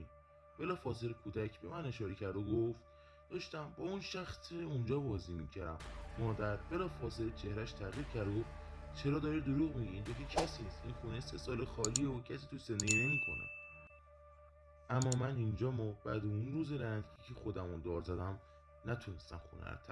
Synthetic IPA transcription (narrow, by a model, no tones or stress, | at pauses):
b̥e̞lɒːfɒːzeɾekʰuːd̪æcʰbe̞mæne̞ʃɒːɾecʰæɾd̪oɡoft̪ | d̥̪ɒːʃt̪æmbɒunʃæxseund͡ʒɒːbɒːziːmḭcʰæɾæ̰mːɒːd̪æɾbe̞lɒːfɒːzelet͡ʃʰe̞hɾæʃt̪ʰæʁiːbcʰæɾd̪oof | t͡ʃʰe̞ɾɒːd̪ɒːɾid̪oɾuːɣmiɟiind̪okecʰæsiːst̪inxunesesɒːlexɒːliːocʰæsiːt̪ʰusend̪eɡiːne̞miːkʰo̞̰nḛ | ʔæmːɒːmænind͡ʒɒːmɒːbæ̰d̪eunɾuːzeɾænd̪kʰecʰixo̞d̪æmond̪ɒːɾzæd̪æm | næt̪ʰune̞st̪æ̰mxṵnæ̰t̪ʰæ